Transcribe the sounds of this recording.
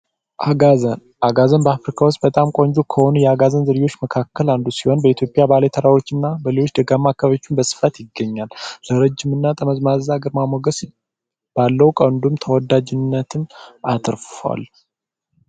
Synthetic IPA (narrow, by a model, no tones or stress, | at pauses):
ʔaɡazən | ʔaɡazənbəafɾikʰawʊst̪̚ʼbət̪ʼamkʼo̞nd͡ʒukʰəho̞nujɛaɡazənzəɾjwo̞t͡ʃːməkʰakːəland̪usiho̞nbəit̪ʰjo̞pʼjabalet̪ʰəɾawo̞t͡ʃːɪnːabəlelo̞t͡ʃːd̪əɡamːakʰːəβet͡ʃːunbəsɨ̥fat̪jɪɡːəɲːalːəɾəd͡ʒːɪmɨnːat̪ʼəməzmazaɡəɾmamoɡəs | b̥alːəwukʼənd̪umt̪ʰəwɔd̪ad͡ʒɪnːət̪ʰɨnat̪ʰɾfa̰l